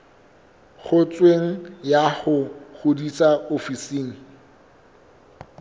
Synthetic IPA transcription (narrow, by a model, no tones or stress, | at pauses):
χʊt͡sʼweŋ̩jaχʊχʊdit͡sʼaofisiːŋ̩